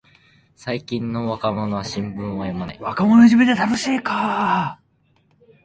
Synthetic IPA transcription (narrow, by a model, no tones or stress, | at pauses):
saikʲĩnːo̞βakamo̞no̞β̞aɕĩmbɯ̟̃ɰ̃βajomana̰iβakamo̞noiʑimed̪et̪anoɕiːka